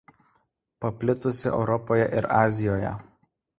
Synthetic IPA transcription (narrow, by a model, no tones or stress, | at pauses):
pɐpʲlʲɪt̪ʊsʲɪʔɛ̰ʊɾɔpoːjɛʔɪɾɑːzʲɪjoːjɛ̰